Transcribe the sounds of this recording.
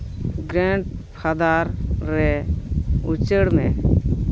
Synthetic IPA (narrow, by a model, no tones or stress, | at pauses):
ɡɾɛɳʈ̚pʰad̪aɾːɛ | ut͡ʃəɽmɛ̃